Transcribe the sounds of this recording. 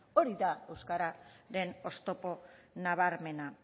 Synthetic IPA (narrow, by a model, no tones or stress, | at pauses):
o̞ɾiðaewskaɾaɾe̞no̞st̪o̞po̞naβ̞aɾme̞na